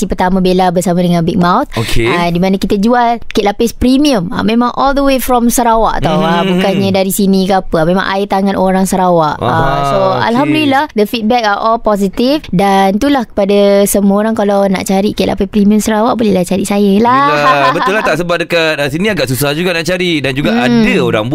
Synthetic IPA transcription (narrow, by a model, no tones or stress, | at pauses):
sipərt̪amə̃belabərsamãdəŋãnbɛk̚mãwt̪̚okʰeadimãnãkit̪ad͡ʒualkɛʔ̚lapɪspɾimiəma̰mẽmãŋʔɔldəwefɾɔmsəɾawa̰ʔat̪awabukanɲə̃daɾisinĩkəapəmẽmã̰ŋʔa̰it̪aŋãnʔoɾaŋsəɾawaʔasoa̰lɦamdulilahd̪əfit̪̚bɛk̚aʔɔlpɔs̬it̪ifdant̪ulahkə̥padasəmuəoɾaŋkalawna̰ʔt͡ʃaɾiʔkɛʔlʔa̰paspɾimiəmsəɾawaʔbolɛhlaht͡ʃaɾiʔsajəlabət̪ulaht̪aʔsəbat̪̚dəkat̪̚ːsinĩaɡaʔsusahd͡ʒuɡaʔnaʔt͡ʃaɾidand͡ʒuɡaʔadəoɾa̰ŋbu